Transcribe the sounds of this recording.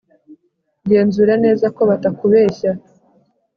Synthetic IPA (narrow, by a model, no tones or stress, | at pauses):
ɟe̞ːnzuɾane̞ːzako̞βatakuβe̞ːça